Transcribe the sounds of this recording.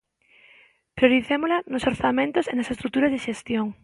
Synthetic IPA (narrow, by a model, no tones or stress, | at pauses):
pɾjoɾiθemolɐnosoɾθamẽnt̪ʊsenɐsest̪ɾuk̚t̪uɾɐzðeʃest̪joŋ